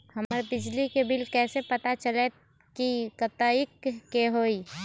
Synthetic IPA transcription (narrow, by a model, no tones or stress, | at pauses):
həməɾbɪd͡ʒlikebɪlkɛːsepət̪at͡ʃəle | kikət̪aikːeɦoi